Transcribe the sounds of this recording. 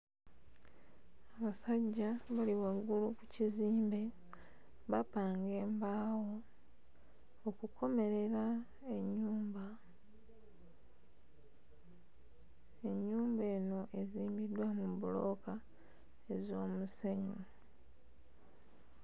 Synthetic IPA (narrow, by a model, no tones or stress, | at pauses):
aβasaɟːaβaliwaɡːulukuciziːmbe̞ | βapaːŋɡe̞ːmbaːwo̞ | kukʰo̞me̞ɾe̞ɾa | eɲːuːmba | e̞ɲːuːmbe̞ːno̞ʔe̞ziːmbidwamubulo̞̰ka | e̞zo̞ːmuseɲu